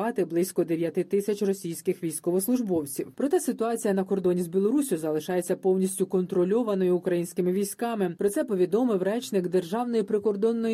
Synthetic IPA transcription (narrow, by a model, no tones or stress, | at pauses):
ɑt̪ɪblˠɪsʲkɔd̪eʋʲjɐt̪ɪt̪ɪsʲɐt͡ʃʲrɔsʲijsʲkɪxʋʲijsʲkɔʋɔslˠʊʒbɔwt͡sʲiwpɾɔt̪ɛsɪt̪ʊɑt͡sʲijɐnɐkɔrd̪ɔnʲizbʲilˠɔɾusʲʊzɐlˠɪʃɑje̞t͡sʲːɐpɔwnʲisʲtʲʊkɔnt̪ɾɔlʲɔʋɐnɔjʊʊkɾɐjinʲsʲkɪmɪʋʲijsʲkɑmɪpɾɔt̪sɛpɔʋʲid̪ɔmɪwrɛt͡ʃnɪɡd̪erʒɑwnɔjipɾɪkɔrd̪ɔnːɔ